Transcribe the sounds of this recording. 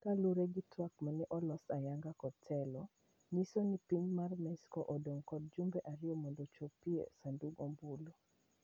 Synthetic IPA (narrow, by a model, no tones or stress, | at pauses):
kaluɾeɡitwakmaniʔɔlɔsajaŋɡakɔtʰɛlɔ | nisonipiɲmarmɛskɔʔɔdoŋkɔd̚d͡ʒumbɛʔaɾɪɔmɔndɔt͡ʃopiḛsanduɡombulo